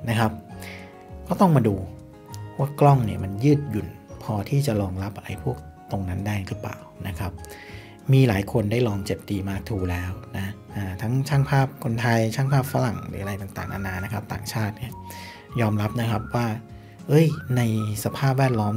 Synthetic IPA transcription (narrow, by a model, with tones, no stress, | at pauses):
na˦˥kʰa˦˥p̚ | kɔː˥˩t̪ɔ˥˩ŋmaː˧duː˧ | waː˥˩klɔ˥˩ŋni˥˩ɐma˧njɯː˥˩t̪̚ju˨˩npʰɔː˧t̪ʰiː˥˩t͡ɕa˨˩lɔː˧ŋla˦˥pʔa˧ɾa̰˧jpʰu˥˩ək̚t̪o˧ŋna˦˥ndaː˥˩jlɯː˦˥˩pla̰ː˨˩wna˦˥kʰa˦˥p̚ | miː˧laː˩˦jkʰo˧ndaː˥˩jlɔː˧ŋt͡ɕe˨˩p̚t̪iː˧maː˧t̪ʰuː˧lɛː˦˥wna˦˥ʔaː˧˩t̪ʰa˦˥ŋt͡ɕʰaː˥˩ŋpʰaː˥˩p̚kʰo˧nt̪ʰa˧jt͡ɕʰaː˥˩ŋpʰaː˥˩p̚fa˦˥la˨˩ŋɯ̰ː˨˦ʔa˧a˧jt̪a˨˩ŋt̪a̰ː˨˩ŋʔa̰˧naː˧na˦˥kʰa˦˥p̚t̪a̰ː˨˩ŋt͡ɕʰaː˥˩t̪̚ni˥˩ɐ | jɔː˧mɾa˦˥p̚na˦˥kʰa˦˥p̚waː˥˩ | ʔɤ˦˥˩jna˧jsa˧pʰaː˥˩p̚wɛː˥˩t̪̚lɔː˦˥m